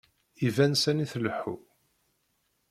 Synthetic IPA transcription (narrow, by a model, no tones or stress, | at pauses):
ivænsæniθləħːṵ